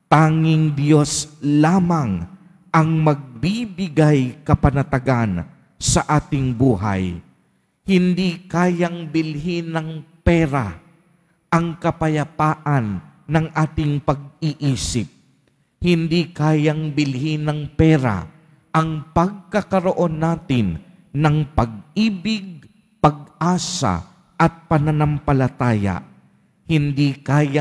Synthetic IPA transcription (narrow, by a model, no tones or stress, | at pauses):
t̪aːŋɪŋd̪jo̞slaːmɐŋ | ʔɐŋmɐɡ̚bibɪɡajkɐpɐnɐt̪ɐɡan | sɐʔaːt̪ɪŋbuːɦa̰j | hɪnd̪ikaːjɐŋbɪlɦinɐŋpɛːɾa̰ | ʔɐŋkɐpɐjɐpaːʔɐnːɐŋʔaːt̪ɪŋpɐɡ̚iʔiːsɪp̚ | hɪnd̪ikaːjɐŋbɪlɦinɐŋpɛːɾa̰ | ʔɐŋpɐɡ̚kɐkɐɾoʔo̞nːaːt̪ɪnː | ɐŋpɐɡ̚ʔiːbɪɡ̚ | pɐɡ̚ʔaːsa̰ | ʔɐt̪̚pɐnanampɐlɐt̪aːja̰ | hɪnd̪ikaːja